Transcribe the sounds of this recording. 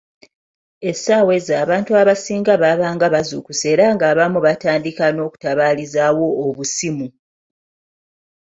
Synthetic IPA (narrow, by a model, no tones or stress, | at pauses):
e̞saːwe̞zaːβaːntuaβasiːŋɡaβaːβaːŋɡaβazukuse̞ːɾaŋɡaːβamuβataːndikano̞ːku̥taβaːlizawo̞ːβusimu